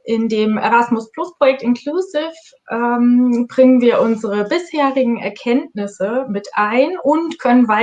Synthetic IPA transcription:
ʔɪndeːmʔɛ̰ʁasmʊsplʊspʁ̥ojɛk̚tɪnkʰlusɪf | ʔɛmbʁɪŋənviːɐʔʊnzəʁəbɪsheːʁɪɡŋ̩ɛ̰ɐkʰɛntnɪsəmɪtʔaɪnʔʊntkʰœnənvaɪ

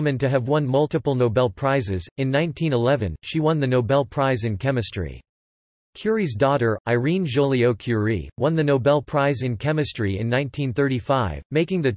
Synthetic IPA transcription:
mɨ̃ntɨɨvwʌ̃nmʌlˠtɨpl̩ˠnoʊbɛlˠpʰɹ̥aɪzɪzɨ̃nːãɪ̃ntʰĩnəlɛvɨ̰̃nʃiwʌ̃nðɨnoʊbɛlˠpʰɹ̥aɪzɨ̃nkʰɛmɨstɹ̥ḭ | kʰj̥ʊɹizdɔɾə˞ʔaɪɹĩnʒolˠioʊkʰj̥ʊɹḭwʌ̃nðɨnoʊbɛlˠpʰɹ̥aɪzɨ̃nkʰɛmɨstɹ̥iɨ̰̃nːãɪ̃ntʰĩnθɜ˞ɾifaɪvmeɪkɪ̃ŋðɨ

